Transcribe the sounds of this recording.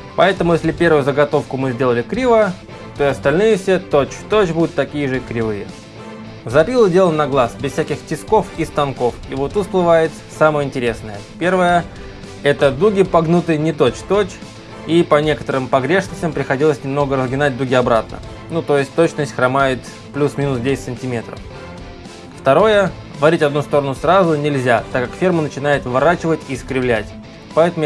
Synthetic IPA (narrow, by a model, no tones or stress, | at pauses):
pɐɛt̪əmʊjesʲlʲɪpʲe̞rvʊjʊzəɡɐt̪o̞fkʊmɨzʲdʲe̞lˠəlʲɪkɾʲivə | t̪o̞ɪɐst̪ɐlʲnɨjəfsʲet̪ot͡ɕt̪ot͡ɕbud̪ʊt̪ːɐkʲijəʐɨkɾʲɪvɨjə | zɐpʲilˠədʲe̞lˠənɐɡlˠasbʲɪssʲækʲɪxtʲɪsko̞fist̪ɐnko̞fivot̪ut̪splˠɨvajɪt̪ | saməjəɪnʲtʲɪɾʲe̞snəjəpʲe̞rvəjə | ɛt̪əd̪uɡʲɪpɐɡnut̪ɨjnʲɪt̪o̞t͡ɕt̪ot͡ɕ | ipɐnʲe̞kə̥t̪əɾɨmpɐɡɾʲe̞ʂnəsʲtʲɪmpɾʲɪxɐdʲilˠəsʲnʲɪmno̞ɡəɾəzɡʲɪnat̚ʲd̪uɡʲɪɐbɾat̪̚nə̰ | nut̪o̞jɪsʲt̚ʲt̪o̞t͡ɕnəsʲtʲxɾɐmajɪt̪ | plʲusmʲinʊsdʲesʲɪt̪ʲsɨnʲtʲɪmʲe̞t̪ɾə̰f | ft̪ɐɾo̞jə | vɐɾʲitʲɐd̪nust̪o̞ɾənʊsrazʊnʲɪlʲzʲat̪akːakfʲermənət͡ɕɪnajɪt̪vɐɾat͡ɕɪvətʲiskɾʲɪvlʲætʲ | pɐɛt̪əm